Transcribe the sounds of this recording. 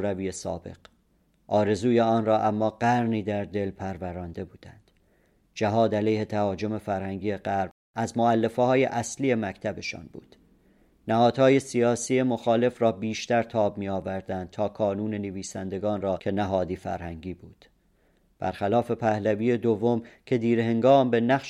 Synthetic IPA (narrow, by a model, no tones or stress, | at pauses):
ɾæviːesɒ̰ːbe̞̰ɡ̥ | ʔɒːɾe̞zuːjeɒːnrɒːʔæmːɒːɢæɾniːd̪æɾd̪e̞lpʰæɾvæɾɒːnd̪e̞buːd̪ænd̪̥ | d͡ʒæɦɒːd̪ælejhe̞t̪ʰæhɒːd͡ʒo̞me̞fæɾhæŋɟiːeɢæɾm | æzmoælːe̞fehɒːjḛʔæsliːje̞mæct̪ʰæbe̞ʃɒ̰ːnbṵːd̪̥ | næhɒːd̪̥hɒːje̞sijɒːsiːe̞mo̞xɒːle̞frɒːbiːʃt̪æɾt̪ʰɒːbmiːɒːvæɾd̪ænd̪̥̚t̪ʰɒːkʰɒːnuːne̞neviːsænd̪e̞ɡɒːnrɒːcʰe̞næɦɒːd̪iːfæ̰ɾhæŋɟiːbuːd̪̥ | b̥æ̰ɾxælɒːfe̞pʰæhlæviːe̞d̪ovːo̞mcʰe̞d̪iːɾehe̞ŋɡɒːmbe̞næχʃ